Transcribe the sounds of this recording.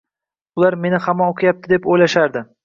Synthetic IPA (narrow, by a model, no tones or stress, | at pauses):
ʊlaɾme̞nɪhamɒoqʰɨjap̚t̪ʰɪd̪e̞pojlaʃaɾd̪ɪ